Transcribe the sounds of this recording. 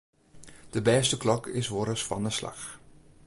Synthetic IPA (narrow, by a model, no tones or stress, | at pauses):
d̥əbɛːstəklɔkʰɪsʋoɾəsfɑ̰nəsla̰x